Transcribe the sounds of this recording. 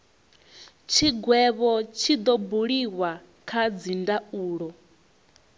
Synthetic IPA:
t͡ʃʰiɡwɛβɔt͡ʃʰid̪ɔbuɺiwa | kʰad͡zindauːɺɔ

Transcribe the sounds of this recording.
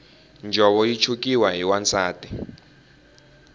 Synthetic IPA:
nd͡ʒʱɔɓɔjit͡ʃʰuk̬iwaɦiwant͡saːti

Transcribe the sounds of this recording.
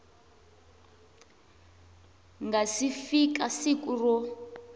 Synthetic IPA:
ŋɡasifikasikurɔ

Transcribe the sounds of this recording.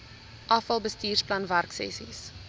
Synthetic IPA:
ʔɐfɐlˠbəstiːrsplɐnværksɛ̰sḭs

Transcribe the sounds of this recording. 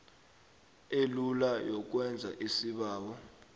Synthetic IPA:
elulajɔk̬wɛnd͡zʱa̰ʔisiɓaːɓɔ

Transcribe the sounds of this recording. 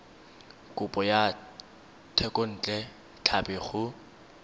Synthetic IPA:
kʼʊpʼɔja | tʰɛkʼon̩t͡ɬʼɛ | t͡ɬʰabɪχʊ

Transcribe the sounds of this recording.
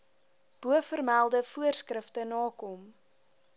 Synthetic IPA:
b̥uəfərmælˠdəfuərskrəftənɑːkɔm

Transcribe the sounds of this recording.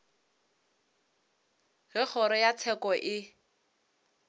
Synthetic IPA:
ɣɪk͡xʰɔɾɔjat͡sʰɛkɔʔɪ

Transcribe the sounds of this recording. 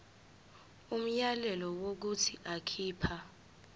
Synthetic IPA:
um̩jalɛlɔwok̬utʰiʔakʰiːpʰa

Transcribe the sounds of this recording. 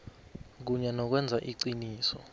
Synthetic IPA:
k̬uɲɛnɔk̬wɛnd͡zʱaʔiǀiniːsɔ

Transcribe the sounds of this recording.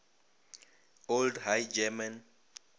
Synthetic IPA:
oldhajd͡ʒɛmãn

